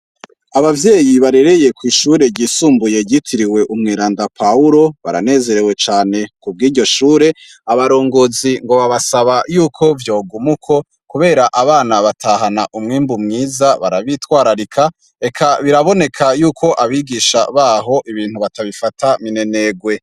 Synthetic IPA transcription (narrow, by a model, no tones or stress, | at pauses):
aβavjeːjiβaɾe̞ɾe̞je̞kwiːʃuːɾe̞ɟiːsuːmbuje̞ɟitʰiɾiwe̞ʔumŋiːɾaːndapʰauɾo̞βa̰ɾa̰ne̞ːze̞ɾe̞we̞t͡ʃaːne̞kub̚ɡiːɾɟo̞ʃuːɾe̞ | aβaɾo̞ːŋɡoziŋɡo̞βaβasaβajuːkʰo̞vjo̞ːɡumukʰo̞ | kuβe̞ːɾaʔaβaːnaβatʰaːɦanaʔumŋiːmbumŋiːzaβaɾaβitwaːɾaɾikʰa | e̞kʰaβiɾaβo̞ne̞kʰajuːkʰo̞ʔaβiɡiʃa̰βaɦo̞ʔiβiːn̥huβataβifatʰamine̞ne̞ːɡwe̞